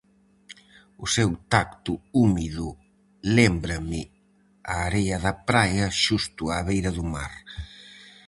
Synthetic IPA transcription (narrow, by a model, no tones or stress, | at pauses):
ʊsewt̪ak̚t̪ʊumiðʊ | lembɾɐmɪ | aːɾejɐðɐpɾajɐʃust̪ʊaːβejɾɐðʊma̰ɾ